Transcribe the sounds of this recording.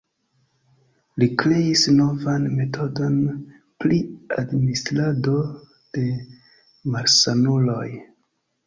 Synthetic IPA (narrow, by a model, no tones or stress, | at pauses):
likɾe̞isno̞vanme̞to̞do̞n | pliadmislado̞ | d̥e̞ | maɾsanulo̞j